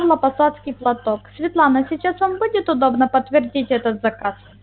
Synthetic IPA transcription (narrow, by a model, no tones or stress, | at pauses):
ʐlˠɐpɐsat̪skʲɪjplˠɐt̪oksʲvʲɪt̪lˠanəsʲɪt͡ɕasvambudʲɪt̪ʊd̪o̞bnəpət̪ːvʲɪrdʲitʲɛt̪ət̪zɐkas